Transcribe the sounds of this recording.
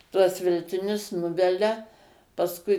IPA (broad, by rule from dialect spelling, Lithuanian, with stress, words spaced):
ˈtuɔs ʋʲɛlʲtʲɪˈnʲʊs ˈnʊʋʲɛlʲɛ pɐsˈkʊɪ